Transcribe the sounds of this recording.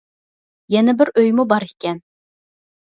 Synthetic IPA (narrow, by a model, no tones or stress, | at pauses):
jɛnɛbɪɾøjmubɑɾɪkʲːɛn